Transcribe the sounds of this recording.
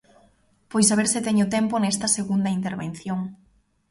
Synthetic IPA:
pojsaβeɾsɪt̪eɲʊt̪ɛmpʊnɛst̪ɐseɣund̪ɐint̪eɾβen̟θjoŋ

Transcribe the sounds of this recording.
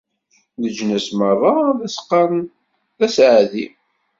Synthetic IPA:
ðəd͡ʒnæsmərˤːɑðæsqːɑn | ðæsʕðḭ

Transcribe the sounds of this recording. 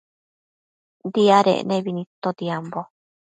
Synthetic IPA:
d̪iaɾḛʔnẽβinĩt̪od̪iambo

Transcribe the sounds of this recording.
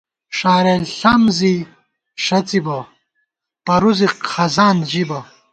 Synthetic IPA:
ʂaːɾeːlɬɐmzi | ʂɐt͡sibɐ | pɐɾuziqʰɐzaːnd͡ʑibɐ

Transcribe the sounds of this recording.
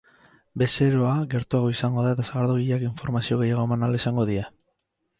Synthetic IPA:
be̞se̞ɾoaɣe̞ɾt̪uaɣ̞o̞isaŋɡo̞ðaet̪asaɣaɾðoɣiʎakiɱfo̞ɾmasio̞ɣe̞jaɣ̞o̞emanalesaŋɡo̞ðie

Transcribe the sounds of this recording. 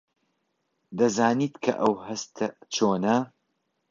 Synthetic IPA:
d̪ɐzaːniːt̪kʰɐ̰ʔɐwhɐst̪ʰɐt͡ʃʰoːnɐ

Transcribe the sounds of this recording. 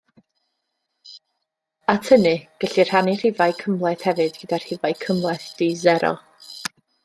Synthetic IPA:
atʰənɨɡ̥əɬir̥hanir̥ɪvajkʰəmlˠɛθhɛvɨdɡ̥ədar̥hɪvajkʰəmlˠɛθd̥izɛɾɔ̰

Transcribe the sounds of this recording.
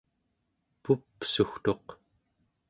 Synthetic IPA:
pupsuxt̪o̞q

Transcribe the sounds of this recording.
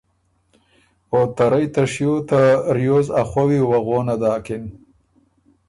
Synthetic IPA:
ot̪aɾajt̪aʂjot̪aɾjoːzaxwawiwaɣoːnad̪aːkɪn

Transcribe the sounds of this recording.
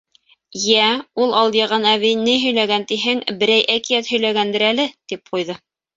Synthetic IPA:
jæulˠɑlˠd̪jɤ̆ʁɑnæβinɘjɦɵ̆jlæɡænt̪iɦɘŋbɘ̆ɾæjʔækijæt̪hɵ̆jlæɡænd̪ɘɾælɘt̪ip̚qujðɤ

